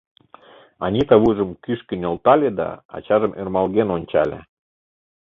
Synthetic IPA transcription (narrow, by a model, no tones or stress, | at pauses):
ɑnʲit̪ɑβuʒə̆mkyʃkə̆nʲŏlt̪ɑlʲed̪ɑ̰ɑ̰t͡ɕɑʒə̆mʔermɑlˠɣenonʲt͡ɕɑ̰lʲḛ